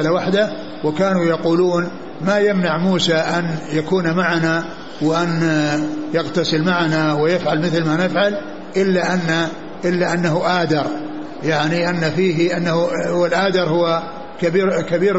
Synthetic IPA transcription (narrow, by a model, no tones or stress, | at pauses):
lawaħd̪a | wɪkaːnujɑquːluːn | majamnaʕmuːsaʔanjakuːnmaʕana | wɪʔan | jaɣt̪asɪlmaʕanawɪjɪfʕalmɪθlmanɪfʕal | ʔɪlːaʔanːa | ʔɪlːaʔanːaɦuʔaːd̪ɑɾˤ | jaʕniʔanːafiːɦʔanːahuwɪlʔaːd̪ɑɾˤhʊwa | kabiːkabiːɾ